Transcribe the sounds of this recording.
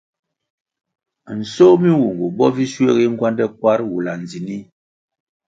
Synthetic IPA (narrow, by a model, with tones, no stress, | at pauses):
n̩˨so˦mi˦wu˨ŋɡu˨bɔ˦vi˦swe˦˨ɣi˦ŋ̩˦ɡwa˦ndɛ˦k̚wa˦ɾwu˨la˨n˨d͡zi˨ni˦